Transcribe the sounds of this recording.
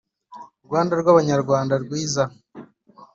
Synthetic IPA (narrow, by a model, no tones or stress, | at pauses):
uɾɡwaːndaɾɡwaβaɲaɾɡwaːndaɾɡwiːza